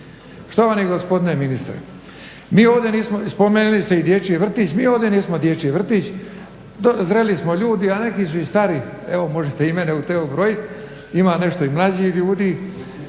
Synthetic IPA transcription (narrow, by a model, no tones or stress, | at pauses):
ʂt̪oʋaniɡospod̪ineminist̪ɾḛ | miːo̞ːʋd̪jeniːsmospomenilist̪eid̪jet͡ʃieʋr̩t̪iːt͡ɕmiːoːʋd̪eniːsmod̪jet͡ʃieʋr̩t̪it͡ɕ | d̪ozɾe̞lismoʎuːd̪iane̞kisuist̪aɾi | eʋomo̞ʒet̪eimeneut̪eubɾojit̪ | imaːne̞ʃt̪o̞imlˠad͡ʑiʎuːd̪i